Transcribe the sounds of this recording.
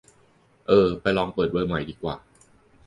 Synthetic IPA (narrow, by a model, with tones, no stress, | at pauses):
ʔɤː˧pa˧jlɔː˧ŋpɤː˨˩wɤː˧ma˨˦jdiː˧˩kwa̰ː˨˩